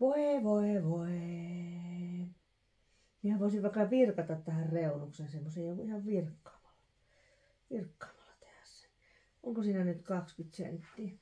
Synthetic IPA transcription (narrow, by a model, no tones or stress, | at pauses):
ʋoeʋoeʋoe | mihæʋoˑisiʋʋɑˑkːɑʋirkɑt̪ɑt̪t̪æhærreunuksensemːosejjoŋkuihɑʋʋirkːɑ̥ːmɑ̥lːɑ | ʋirkːɑ̥ːmɑlːɑ̥t̪e̥hæ̥sːæ̥n | oŋkosiːnænyt̪kɑkspit̪siæ̰nyt̪ːiː